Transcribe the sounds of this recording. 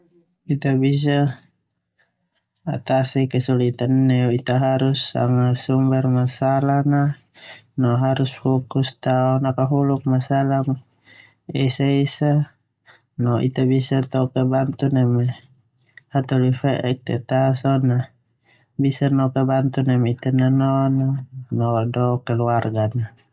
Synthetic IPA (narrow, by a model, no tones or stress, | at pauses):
it̪abis̬a | t̪asikɛsulit̪anːɛuit̪aɦaɾusːa̰ŋasumbɛrmasalana | nɔɦaɾusfɔkust̪aɔnakaɦuluk̚masalam | ɛsaisa | nɔʔḭt̪abisat̪ɔkɛbant̪unamɛ | hat̪ɔlifɛʔɛk̚t̪ɛt̪asɔna | bisanɔkɛbant̪unamit̪ananɔnanɔdɔkɛluarɡana